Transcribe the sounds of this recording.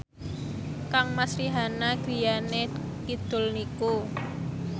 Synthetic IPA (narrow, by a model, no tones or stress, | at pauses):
kaŋmasɾiɦanaɡ̥i̤jane | kid̪̥ʊ̤lniku